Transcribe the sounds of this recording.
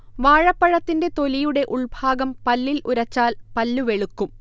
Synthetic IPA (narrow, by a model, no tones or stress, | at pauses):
ʋaːɻɐpːɐɻɐt̪ːinde̞t̪o̞lijuɽe̞ʔuɭbʱaːɡɐmpɐlːilʔuɾɐt͡ɕːaːlpɐlːuʋe̞ɭukːum